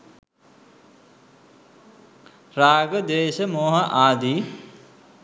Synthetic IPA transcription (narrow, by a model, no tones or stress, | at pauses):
ɾaːɡəd̪eːʃəmoːɦəʔaːd̪i